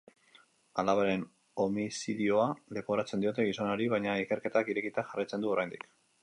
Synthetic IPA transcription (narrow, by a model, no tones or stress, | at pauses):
alaβaɾe̞n | o̞misiðio̞ale̞po̞ɾat͡se̞nd̪io̞t̪e̞ɣiso̞noɾiβajɲaike̞ɾke̞t̪akiɾe̞kit̪aʝarajt͡sed̪uo̞ɾajnd̪ik